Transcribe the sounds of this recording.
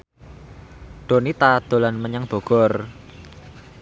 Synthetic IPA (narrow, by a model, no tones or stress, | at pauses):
ɖ̪̥o̤nit̪ad̪̥o̤lanməɲaŋb̥o̤ɡ̥ɔr